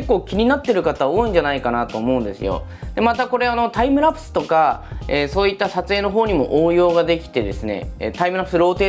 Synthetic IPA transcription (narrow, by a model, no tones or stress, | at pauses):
ekːo̞ːkʲiɲ̟inat̪ːe̞ɾɯ̟kat̪aβoːĩɲ̟d͡ʑanaikanat̪o̞ːmo̞ɯ̃nd̪e̞sɨ̰jo̞̰ | d̪̥e̞mat̪ako̞ɾe̞ano̞t̪aimɯ̟ɾapɯ̥sɨ̥t̪o̞kaeːsoːit̪ːasat͡sɨeːno̞ɦo̞ːɲ̟imo̞̰ʔoːjo̞ːɡad̪e̞kʲi̥t̪e̞d̪e̞sɨne̞̰t̪aimɯ̟ɾapɯ̟sɨɾo̞ːt̪e̞ː